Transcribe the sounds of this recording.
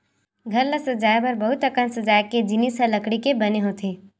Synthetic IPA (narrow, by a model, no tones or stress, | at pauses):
ɡʱɐɾləsəd͡ʒaːjbɐɾbɐɦʊt̪əkənsəd͡ʒaːjked͡ʒɪnisɦəlɐkɽikebɐneɦot̪ʰeː